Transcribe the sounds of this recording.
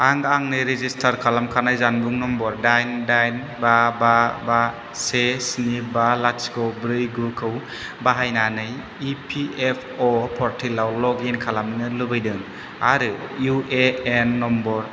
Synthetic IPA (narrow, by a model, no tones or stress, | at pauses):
aŋaŋnɯjɾezistʰaɾkʰalamkʰanajzanbuŋnɔmbɔɾdajndajn | bababa | sesnibalaskʰɯwbɾɯjɡɯkʰɯw | baɦajnanɯj | ipʰiepʰɔpʰɔɾtʰilawlɔɡinkʰalamnɯlɯbɯjdɯŋ | a̰ɾɯjuʔeenːɔmbɔɾ